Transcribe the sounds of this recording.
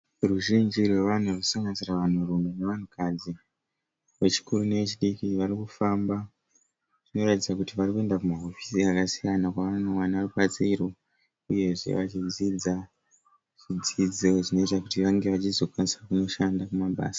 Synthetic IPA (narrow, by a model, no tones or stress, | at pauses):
ruʒind͡ʒirwe̞ʋan̤urusaŋɡansiraʋan̤urumene̞ʋan̤ukʰad͡zi | ʋe̞t͡ʃi̥kuɾune̞ʋe̞t͡ʃiɗikiʋarikufaːmba | ʐ̥ino̞ratid͡zakutiʋarikue̞ndakumaɦo̞fi̥siakasijanakwaʋanowanarupat͡siro | uje̞ʐe̞̰ʋat͡ʃid͡zid͡za | ʐ̥id͡zid͡zoʐino̞itakutiʋaŋɡe̞ʋat͡ʃizo̞kwanisakuno̞ʃandakumaɓa̰ːsḁ